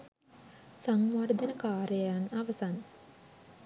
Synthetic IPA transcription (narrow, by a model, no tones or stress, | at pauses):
saŋʋard̪ənəkaːɾəjanaʋəsan